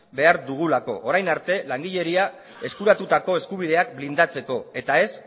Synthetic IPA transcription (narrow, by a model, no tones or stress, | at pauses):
be̞aɾðuɣ̞ulako̞̰ʔoɾajnaɾt̪e̞laŋɡiʎe̞ɾia | e̞skuɾat̪ut̪ako̞e̞skuβ̞ið̞e̞akblind̪at͡se̞ko̞e̞t̪ae̞s